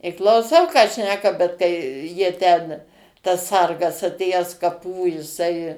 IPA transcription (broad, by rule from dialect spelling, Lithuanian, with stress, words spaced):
ɪ klˠɐʊˈsɐʊ kɑː ˈʃʲnʲæːkɐ bʲɛt kɐɪ ˈjiɛ tʲɛn tɐs ˈsɐrɡɐs ɐtʲˈeːjæːs kɐˈpuː jɪˈsɐɪ